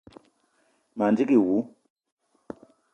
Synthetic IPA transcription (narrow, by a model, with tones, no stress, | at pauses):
ma˨nd͡ʒi˦ki˨wu˨˦